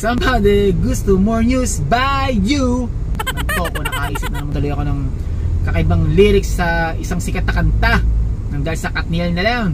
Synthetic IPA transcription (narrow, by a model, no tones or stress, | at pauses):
sɐmbad̪ɪɡʊst̪omoɹnjusbajːu | nɐkɐnɐɡt̪o̞ːkonɐkɐkɐʔiːsɪp̚nɐlɐmɐŋd̪ɐlojɐko̞nɐŋ | kɐkɐʔɪbaŋliɾɪksːɐɪsaŋsɪkɐt̪ɐkɐnt̪anɐŋd̪aːhɪlsɐkɐt̪̚nɛlnɐlaŋ